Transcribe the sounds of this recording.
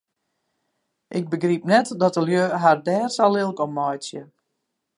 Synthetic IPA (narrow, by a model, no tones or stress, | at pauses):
ʔɪk̚bəɡripnɛtdɔtəljøːɦardɛːrsalɪlˠkɔmːɔjsjə